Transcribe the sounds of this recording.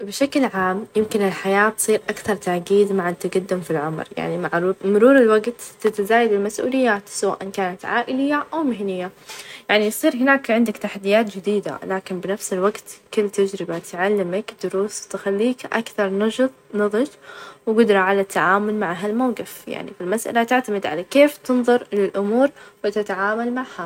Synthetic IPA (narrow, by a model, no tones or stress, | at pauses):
bɪʃaklʕaːmjɪmkɪnɪlħajaːbsˤiːɾʔakθɑɾˤt̪aʕɡiːd̪maʕat̪aɡad̪ːɪmfilʕʊmɾja̰ʕnimaʕɾuːmʊɾuːɾɪlwaɡt̪ːɪt̪azaːjad̪ɪlmasʔṵːlɪjːaːt̪sawa̰ːʔankaːnat̪ʕa̰ːʔɪlɪjːaʔawmɪɦnɪjːajaʕnisˤiːɾɦɪnaːkʕɪnd̪akt̪aħad̪ːɪjaːt̪̚d͡ʒɪd̪iːd̪a̰laːkɪnbɪnafsɪlwaɡt̪kɪlːt̪ad͡ʒɾɪbat̪ʕalːɪmakd̪ʊɾuːswt̪ɪxalːiːkʔa̰kθɑɾˤnɑʒɨt̪ˤnɑðˤɨd͡ʒwɡʊd̪ɾˤɑʕalat̪ːaʕaːmʊlmaʕɦalmawqɪfja̰ʕnḭfilmasʔa̰lat̪ɪʕt̪amɪd̪ʕa̰lakeːft̪ɨnðˤʊɾˤlɪlʔʊmuːɾwɪt̪ɪt̪aʕaːmalmaʕha